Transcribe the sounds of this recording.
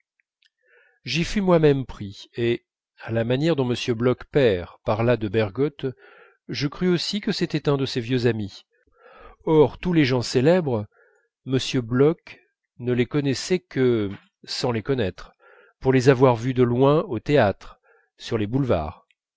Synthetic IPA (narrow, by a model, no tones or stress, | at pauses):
ʒifymwamɛmpχie | alamanjɛʁd̪ɔ̃məsjøblɔkpɛʁpaʁlad̪əbɛʁɡɔt̪ | ʒəkχyosikəset̪ɛt̪ɛ̃d̪əsevjøzami | ɔʁt̪uleʒɑ̃selɛbʁ | məsjøblɔk | nəlekɔnɛsɛkə | sɑ̃lekɔnɛt̪χ | puʁlezavwaʁvyd̪əlwɛ̃ot̪eat̪χ | syʁlebulva̰ːʁ